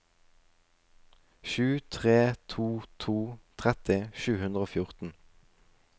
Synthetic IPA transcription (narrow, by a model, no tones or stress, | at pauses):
ʃʉːt̪ʰʁeːt̪ʰuːt̪ʰuːt̪ʰʁɛt̪ɪʃʉːhʉnd̪ʁoːfjʊʁt̪n̩